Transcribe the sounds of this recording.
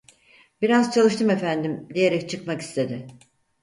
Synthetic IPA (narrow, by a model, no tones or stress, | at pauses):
b̥iɾazt͡ʃʰalˠɯʃt̪ɯme̞fænd̪imd̪ije̞ɾɛc̚t͡ʃʰɯkmaki̥st̪ʰe̞d̪ɪ